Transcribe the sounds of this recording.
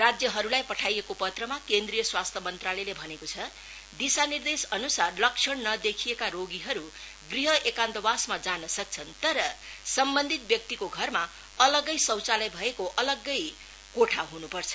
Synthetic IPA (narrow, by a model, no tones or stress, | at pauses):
rad͡zjʌɦʌɾulajpʌʈʰajekopʌt̪rʌmakend̪rijʌswast̪ʰʌmʌnt̪ralʌjlebʱʌnekot͡sʰʌ | d̪isanird̪esʌnusarlʌk̚t͡ʃʰʌɽnʌd̪ekʰijekaɾoɡiɦʌɾu | ɡriɦʌʔekand̪ʌbasmad͡zanʌsʌk̚t͡sʰʌnt̪ʌɾʌsʌmbʌnd̪ʱit̪̚bjʌk̚t̪ikoɡʱʌrma | ʌlʌɡʌjsʌwt͡salʌjbʱʌekoʔʌlʌɡːʌj | koʈʰaɦunupʌrt͡sʰʌ̥